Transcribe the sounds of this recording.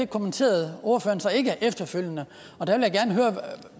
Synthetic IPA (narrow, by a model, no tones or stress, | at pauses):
ekʰo̝mənt͡sʰe̝̰ːɐð̞̩ˠo̝ɐfø̰ːɐnsɒ̽e̝ɡ̥əæʔefd̥ɐføl̰jənə | ɒ̽d̥æʋeljäɡ̥æɐnəɦøːɐ